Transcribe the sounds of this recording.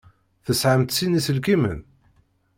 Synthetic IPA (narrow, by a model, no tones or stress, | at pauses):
θəsʕəmt̪sinisəlkimə̰n